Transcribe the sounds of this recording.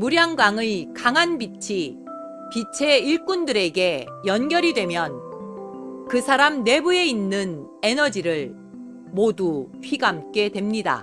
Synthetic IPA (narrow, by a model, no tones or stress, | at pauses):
muɾjaŋɡwaŋɯɭkaŋɦanbit͡ɕʰi | pit͡ɕʰe̞iɭk͈undɯɾe̞ɡe̞ | jʌnɡjʌɾidwe̞mjʌn | kɯsʰaɾamne̞bue̞inːɯn | e̞nʌd͡ʑiɾɯɭ | moduɸʰiɡamk͈e̞dwe̞mɲida̰